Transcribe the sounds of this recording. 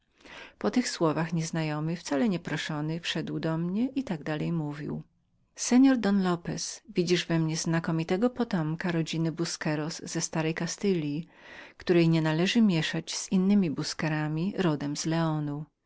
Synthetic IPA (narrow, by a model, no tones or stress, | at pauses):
pɔt̪ɘxswɔvaxɲɛznajɔmɘft̪salɛɲɛpɾɔʂɔnɘfʂɛd̪wd̪ɔmɲɛʔit̪aɡ̚d̪alɛjmuvʲḭw | sɛɲɔɾd̪ɔnlɔpɛsvʲid͡ʑiʐvɛmɲɛznakɔmʲit̪ɛɡɔpɔt̪ɔmkaɾɔd͡ʑinɘbuskɛɾɔsːɛst̪aɾɛjkast̪ɘlʲji | kt̪uɾɛjɲɛnalɛʐɘmʲjɛʂat͡ɕz̥inːɘmʲibuskɛɾamʲiɾɔd̪ɛmzlɛɔnu